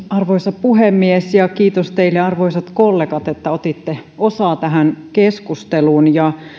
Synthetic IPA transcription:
ɑrʋoisɑpuhemːiesjɑkiːt̪ost̪eilːeɑrʋoisɑt̪kolːekɑt̪et̪ːæot̪it̪ːeosɑːt̪æɦænkeskust̪eluːnjɑ

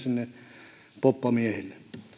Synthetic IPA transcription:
sinːe | popːɑmiehelːe

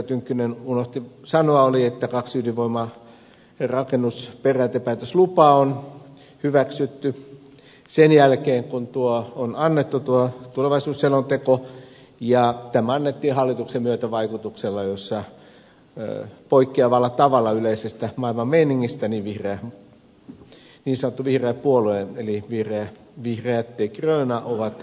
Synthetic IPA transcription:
t̪yŋkːynenunoht̪isɑnoɑoliet̪ːækɑksydiʋʋoimɑ | rɑkenːusperæːt̪epæːt̪øslupɑːon | hyʋæksyt̪ːy | senjælkeːŋkunt̪uoonɑnːet̪ːut̪uot̪uleʋɑisuːsːelont̪eko | jɑt̪æmæɑnːet̪ːiːhɑlːit̪uksemyøt̪æʋɑikut̪ukselːɑjosːɑ | poikːeɑʋɑlːˑɑt̪ɑʋɑlːˑɑyleisest̪æmɑilmɑmmeiniŋːist̪æniːʋʋihreæ | niːnsɑnŏt̪ːuʋihreːppuolueeliʋihreæ | ʋihreæt̪ːeikrøːnɑʔoʋɑt̪

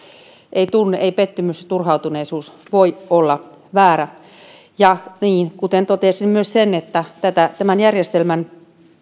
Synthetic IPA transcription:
ʔeit̪unːeʔeipet̪ːymyst̪urhɑut̪uneːsuːsʋoiolːɑ | ʋæːɾæ | jɑniːnkut̪ent̪ot̪esimmyøssenet̪ːæt̪æt̪æt̪æmænjærjest̪elmæn

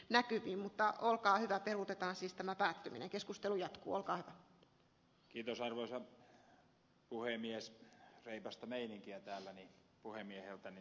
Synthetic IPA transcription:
nækyʋiːmmut̪ːɑolkɑːhyʋæperut̪et̪ɑːnsiːst̪æmæpæːt̪ːymḭnḛŋkeskust̪elujɑt̪kṵːolkɑːhyʋæ | kiːt̪osɑrʋoisɑ | puhemiesreipæst̪ɑmeiniŋkiæt̪æːlːæni | puhemiehelt̪æni

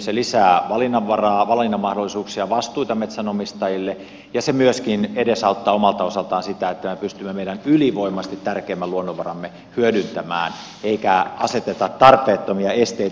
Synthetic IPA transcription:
selisæːʋɑlinːɑʋʋɑrɑːʋɑlinːɑmːɑhdolːˑisuːksiɑʋɑst̪uit̪ɑmet̪sænomist̪ɑjilːe | jɑsemyøskinedesɑut̪ːɑːomɑlt̪ɑosɑlt̪ɑːnsit̪æet̪ːæmepyst̪ymːemeijdænyliʋoimːˑɑst̪it̪tærkeːmːæluonːoʋʋɑrɑmːe | hyødynt̪æmæ̰ːn | eikæɑset̪et̪ɑt̪t̪ːɑrpˑeːt̪ːomiɑest̪ei

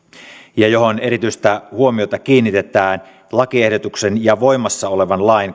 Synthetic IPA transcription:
jɑjo̞ɦoneɾit̪yist̪æhuomio̞t̪ɑkiːnːit̪e̞t̪æːn | lɑkiehdot̪uksenjɑʋoimɑsːɑoleʋɑnlɑin

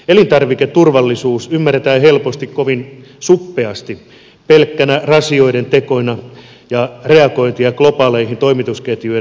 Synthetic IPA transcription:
elint̪ɑrʋikett̪urʋɑlːisuːsymːæret̪æːhelpost̪ikkoʋin | supːeɑst̪i | pelkːænærɑsio̞ident̪ekonɑ | jɑreɑkoint̪iɑklopɑːleihint̪oimit̪usket̪jyi

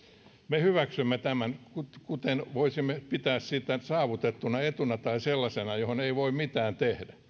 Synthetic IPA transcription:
mehyʋæksymːet̪æmænkutkut̪enʋoisimːepit̪æːssit̪ːæsɑːʋut̪et̪ːunɑet̪unɑt̪ɑiselːɑsenɑjohoneiʋoimmit̪æːnt̪ehdæ

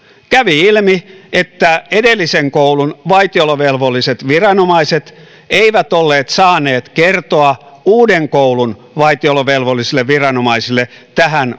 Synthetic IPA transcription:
kæʋiilmiet̪ːæedelːiseŋkoulunʋɑit̪ioloʋelʋolːˑiset̪ʋirɑnomɑiset̪ | eiʋæt̪olːeːt̪sɑːneːt̪kert̪oɑuːdeŋkoulun | ʋɑit̪ioloʋelʋolːˑisilːˑeʋʋirɑnomɑisilːˑe | t̪æhæn

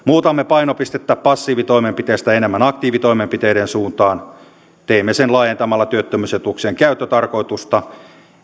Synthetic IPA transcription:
muːt̪ɑmːepɑinopist̪et̪ːæppɑsːiːʋit̪oimempit̪eːst̪æenemːænɑkt̪iːʋit̪oimempit̪eiɾensuːnt̪ɑːn | t̪eimːesenlɑːjent̪ɑmɑlːɑt̪yøt̪ːømyset̪ukseŋkæyt̪ːøt̪ɑrko̞it̪ust̪ɑ

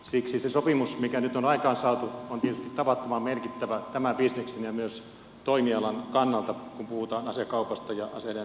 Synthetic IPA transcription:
siksisesopimusmikænyt̪onɑikɑːnsɑːt̪uont̪iet̪yst̪it̪t̪ɑpɑt̪ːomɑmmerkit̪ːæʋæt̪æmæbisneksenjɑmyøs | t̪oimiɑlɑnkɑnːɑlt̪ɑkumpuhut̪ɑːnɑseɑkɑupɑst̪ɑjɑʔɑsele

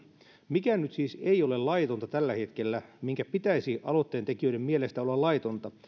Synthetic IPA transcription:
mikænyt̪siːseiolellɑit̪ont̪ɑt̪ælːæhet̪kelːæmiŋkæpit̪æisiʔɑlot̪ːeːnt̪ekiøidemmielest̪æolːɑlɑit̪ont̪ɑ

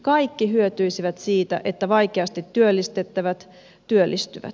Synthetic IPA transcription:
kɑikːiɦyøt̪yisiʋæt̪siːt̪æ̰ʔet̪ːæʋɑikeɑst̪it̪ːyølːist̪et̪ːæʋæt̪ | t̪yølːist̪yʋæ̰t̪

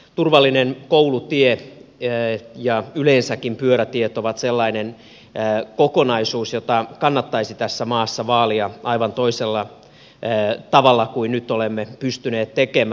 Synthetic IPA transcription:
t̪urʋɑlːinenkoulut̪ie | jɑyleːnsækːimpyøɾæt̪iet̪oʋɑt̪selːɑinenː | kokonɑisuːsjot̪ɑkɑnːɑt̪ːɑisit̪æsːæmɑːsːɑʋɑːliɑʔɑiʋɑnt̪oiselːɑ | t̪ɑʋɑlːɑkuinnyt̪ːolemːepyst̪yneːt̪t̪ekemæ

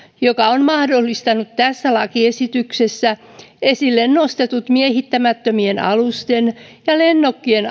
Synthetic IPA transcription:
jokɑonmɑhdolːist̪ɑnut̪tæsːælɑkiesit̪yksesːæ | esilːennost̪et̪ut̪miehit̪ːæmæt̪ːømienɑ̰lust̪enjɑlenːokːien

